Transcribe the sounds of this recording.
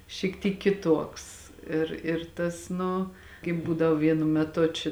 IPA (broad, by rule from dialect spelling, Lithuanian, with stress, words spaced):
ʃʲiːk ˈtʲiːk kʲɪˈtuɔks ˈɪr ɪr ˈtɐs ˈnʊ kɐɪp ˈbuːdɐʋoː ˈʋʲiɛnʊ mʲɛˈtʊ t͡ʃʲɪ